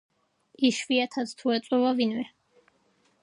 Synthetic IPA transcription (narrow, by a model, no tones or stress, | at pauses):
iʃviat̪ʰat̪st̪ʰuɛt̪sʼɔvavinvɛ